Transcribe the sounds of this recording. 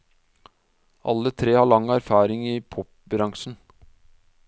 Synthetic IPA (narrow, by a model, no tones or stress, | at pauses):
ʔɑ̰lːət̪ʰɾeːhɑːɭɑŋæɾfɑːɾɪŋɪpʰɔp̚ | bɾɑŋʂn̩